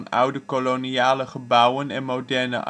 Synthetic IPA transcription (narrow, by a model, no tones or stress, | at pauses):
nʔʌ̰wdəkolonijaːləχəbʌwənɛnmowdɛɹnə̰ʔ